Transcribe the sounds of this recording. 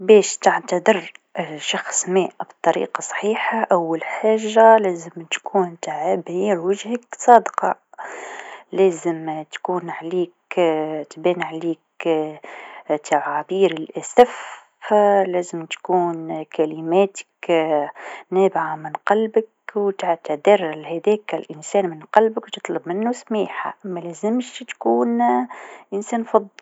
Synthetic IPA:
bɛːʃt̪aʕt̪ad̪ˤɨɾʃɑxsˤmæːʔbt̪ˤːɑɾḭːqɑsˤħiːħaʔawːalħaːʒːalæːzɪmt̪kʰuːnt̪aʕabhiːɾwaʒhaksˤɑːd̪qɑ | læːzɪmt̪kuːnʕliːkt̪bɛːnʕliːk | t̪aʕaːbiːɾɪlʔasaf | læːzɪmt̪kuːnkalɪmæːt̪ɪ̥k | næːbʕamɪnqɑlbak | wt̪aʕt̪ad̪ɪɾlhæðɛːkɪlʔɪnsɛːnmɪnqɑlbɪkwt̪ɨ̥t̪ˤlɨbmɪnːusmiːħa̰mælæːzɪmʃt̪kuːn | ʔɪnsæːnfɑðˤː

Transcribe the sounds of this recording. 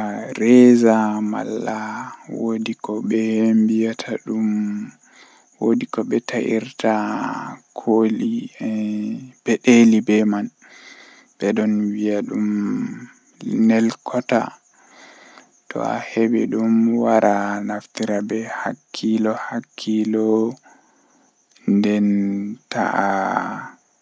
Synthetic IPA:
aɾɛzama̰lːawodikɔɓɛhmbijatʰaɗum | wodikɔɓɛtʰaʔiɾtʰa | kʰoli | b̥ɛɗelibɛman | bɛɗɔnwiaɗum | nɛlkʰɔta̰ | tʰɔ̰a̰hebɛɗumwaɾʔanaftiɾabɛhakʰːilɔhakʰːilɔ | ndɛnta̰ʔa

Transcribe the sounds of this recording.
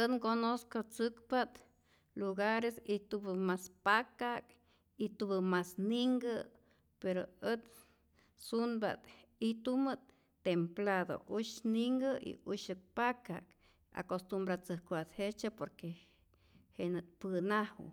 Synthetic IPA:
ət̪ŋkonoskot͡sɨkpat̪ | luɡaɾesit̪ubɨmaspakak | it̪ubɨmasniŋɡə | peɾoət̪ | sunba̰t̪it̪umɨt̪ | t̪ːemplaðo̰ʔuʃniŋɡəḭuʃɨk̚pakak | a̰kost̪umbɾat͡sɨhkwat̪het͡ʃapoɾke | henɨt̪̚pɨnahw

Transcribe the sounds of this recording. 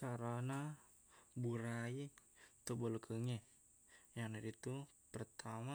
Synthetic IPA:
kaɾana | buɾait̪əbəlukʰəŋɛ | jaŋnadit̪u | pərt̪ʰama

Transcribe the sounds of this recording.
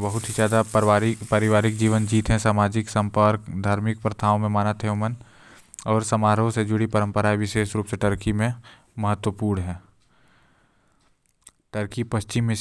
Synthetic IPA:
bəɦʊt̪ɦizjaːd̪apəɾɪʋaːɾɪk̚d͡ʒiːʋənd͡ʒiːt̪ɦɛ̃saːmaːd͡ʒɪksə̃mpəɾkd̪ʱaːɾmɪk̚pɾət̪ʰaːõmẽmaːnət̪ɦɛʊmən | ɔːɾsəmaːɾõsed͡ʒʊɽipɐɾə̃mpəɾaːiʋɪʃeːʃɾuːpseʈəɾkimẽ | mɐɦət̪wəpuːɾɳɦɛ̃ː | ʈəɾkipɐst͡ʃɪmːẽ

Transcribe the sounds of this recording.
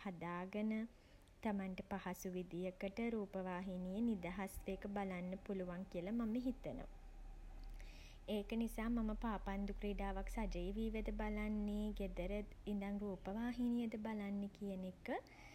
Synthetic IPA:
had̪aːɡənə | t̪amanʈəpahasuʋid̪ijəkəʈəɾuːpəʋaːɦinijənid̪aɦasʋejkəbalanːəpuluʋaŋkiəlamaməɦit̪əno̰ʋ̰ | eːkənisaːmaməpaːpand̪ukɾeːɖaːʋaksad͡ʒəjʋiːʋəd̪əbalanːeɡed̪əɾəind̪aŋruːpəʋaːɦinijəd̪əbalanːekijənekə

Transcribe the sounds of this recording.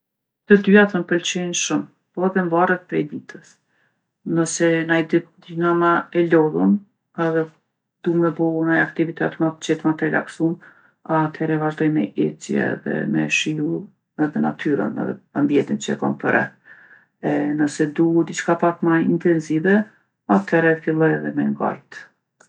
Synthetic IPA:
t̪əd̪yaθənpəlt͡ʃɛnʃum | pɔɛðɛɱvaɾət̪̚pɾɛjd̪it̪ʰəs | nəsɛnajd̪id̪inamaɛlɔðun | ɛðɛ | d̪̥umɛbɔunajakt̪ivit̪ɛt̪mapət͡ʃɛt̪mat̪əɾɛla̰ksum | at̪ʰɛɾɛvaʒd̪ɔjmɛʔɛt͡sjɛ̰ɛ̰ðɛ̰mɛ̰ʃiu | ɛðɛna̰t̪ʰyɾə̰nɛ̰ðɛ̰ambiɛnt̪int͡ʃəɛkampəɾɛ̰ | ɛnəsɛd̪ud̪it͡ʃkapat̪maint̪ɛnzivɛ | at̪ʰɛɾɛfilˠɔjɛðɛmɛŋɡa̰jt̪

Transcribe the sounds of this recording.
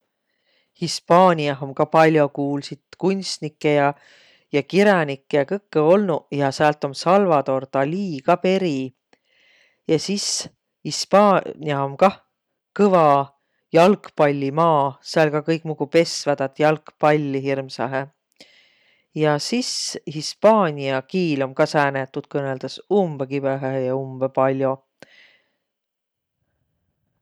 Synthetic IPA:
hispɑːnʲiɑɦomkɑpɑlʲjo̞kuːlsid̪̥kunʲst̪nikːˑe̞jɑ | jɑkiɾɑnikˑːejɑkɤkːeo̞lnujɑsæːlt̪ˑo̞nsɑlvɑt̪o̞rt̪ɑliːɡ̥ɑpe̞ɾi | jɑsis | hispɑːnʲiɑomkɑ | kɤvɑ | jɑlkpɑlʲːimɑːseɑlkɑkɤjkˑmuɡ̥upe̞svæd̪̥ɑt̪jɑlkpɑlʲːiɦirmsɑɦe | jɑsishispɑːnʲiɑkiːlo̞mkɑsæːnet̪ːud̪̥̚kɤneld̪̥ɑsumb̥ekibeɦæɦejɑumb̥epɑlʲjo

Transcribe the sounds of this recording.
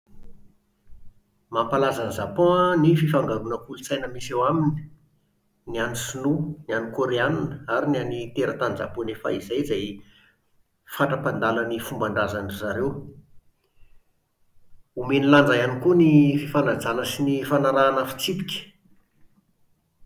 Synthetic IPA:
mampalazanzapɔ̃nififaŋɡaɾunəkulut͡sajnəmisewamini̥ | nianisununanikoɾeananəaɾinanit̪eɾət̪anza̰ponefa̰izajzaj | faʈ͡ʂəpand̪alanifumbaɳɖ͡ʐazanizaɾew | umenilaɳɖ͡ʐajanikunififanad͡zanəsinifanaɾaːnafi̥t͡sip̪i̥kʲə̥

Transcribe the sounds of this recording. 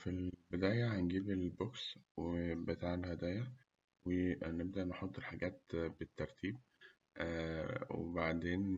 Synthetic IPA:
filbed̪æːjæhænɡiːbelbokswebet̪aːʕelhæd̪æːjæ | weneb̚d̪æʔneħot̪ˤːelħaɡæːt̪bet̪ːɑɾˤt̪ʰiːb̚ | wḛbaʕd̪eːn

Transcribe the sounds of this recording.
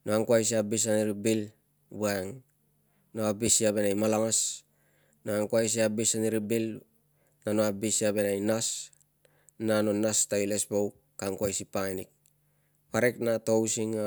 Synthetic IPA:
noaŋkuajs̬iabis̬aniɾibil | buaŋ | noabisiaβe̞najmalaŋas | noaŋkuajs̬iabisaniɾibil | nanoabisiabe̞najnas | nano̞nastailesbow | kaŋkuajsipajnik̚ | paɾeknatowsiŋa

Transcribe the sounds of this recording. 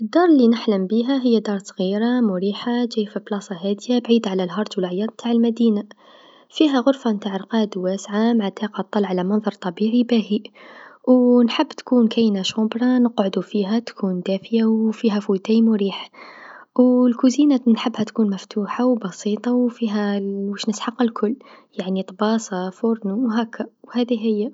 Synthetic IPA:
ʔəd̪ːɑɾˤlinəħləmbiɦæɦəjːæd̪ɑɾˤsˤɣiɾamʊɾiːħad͡ʒæjfiblɑsˤɑɦæd̪jabʕiːd̪ʕalælɦɑɾˤd̪wəlʕajːɑd̪mt̪ʰaːʕəlmæd̪ina | fiɦæɣʊɾfamt̪aʕəlqɑd̪wæsʕamaʕat̪æqɑt̪ˤːɑlʕalæmɑnðˤɑɾˤt̪ˤɑbiʕibæhi | wnħəbːt̪kuːnkæjnaʃobɾˤɑnəqʕʊd̪ufiɦæt̪kʰuːnd̪æfəjawfiɦæfut̪æjmɾiːħ | wlkʊzinænħəbːhæt̪kuːnmæft̪ʰuːħawbɑsit̪ˤɑwfiɦæwəʃnəsħɑqːalkʰʊlː | jaʕnit̪ˤbɑːsˤɑfʊɾˤnuwɦækːawhæd̪iɦəjːa

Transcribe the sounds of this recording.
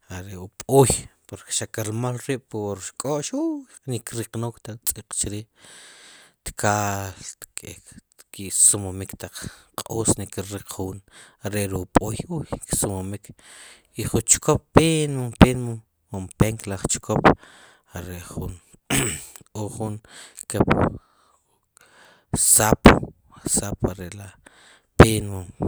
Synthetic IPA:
aɾeʔupʼujpoɾke̥ʃakalmolɾiːʔpwoɾʃkʼoʔʃujnikɾiqnokt̪at͡sʼiqt͡ʃɾiː | t̪kʰalt̪kʼek̪ | kisumomikt̪aq͡χqʼoːsnikiɾiq͡χχuːnaɾeʔɾuupʼujujksumomikʰ | iχunt͡ʃkʰop̚ːenmompenmo | umpeŋklaχt͡ʃkʰop | aɾeʔχun | oχunkep | sap | sapaɾeʔla | penmo

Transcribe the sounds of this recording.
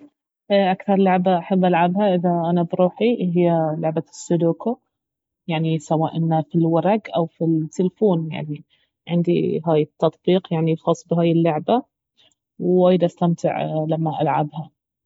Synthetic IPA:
ʔʔakθɑɾˤlʊʕbaʔaħabːʔalʕabɦaʔɪðaʔanabɾuːħiɦɪjːalʊʕbasːʊd̪uːkʊ | jaʕnisawaːʔɪnːafilwɑɾˤɑɡʔawfit̪ːɪlfuːnja̰ʕni | ʕɪnd̪ḭɦaːjɪt̪ːɑt̪ˤbiːqjaʕnixɑːsˤːbɪɦaːjɪlːʊʕba | wwajd̪ʔast̪amt̪ɪ̰ʕlamːaʔa̰lʕa̰bha

